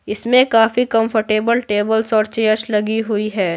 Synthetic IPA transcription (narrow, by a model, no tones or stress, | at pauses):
ɪsmẽkaːfikɐ̃mfʰəɾʈeːbəlʈeːbəlsɔːɾt͡ʃeːəʃlɐɡiɦʊiɦɛː